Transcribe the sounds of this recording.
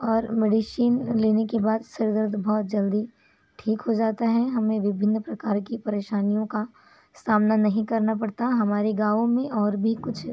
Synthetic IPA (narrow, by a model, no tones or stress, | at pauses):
ɔːɾmeːɖiʃiːnleːnekebaːd̪sɪɾɡ̪əɾd̪bɔːt̪̚d͡ʒɐld̪i | ʈʰiːkɦod͡ʒaːt̪aɦɛɦɐmẽʋɪbʱɪnːpɾɐkaːɾkipɐɾeːʃaːnijõka | saːmnanɐɦĩkɐɾnapɐɽt̪aɦɐmaːɾeɡaːʋõmẽʔɔːɾbʱikʊt͡ʃʰ